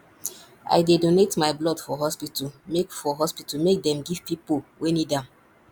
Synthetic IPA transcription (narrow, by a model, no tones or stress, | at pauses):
a̰jdedonetmajblɔdfɔɦɔspitumekfɔɦɔspitumek̚dɛ̃mɡiv̥pipolwenidã